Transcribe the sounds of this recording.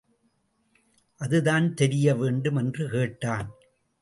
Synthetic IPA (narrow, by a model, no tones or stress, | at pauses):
ʔɐðɯðaːnt̪ɛɾɪjɐʋeːɳɖɯmɛndrɯkeːʈːaːn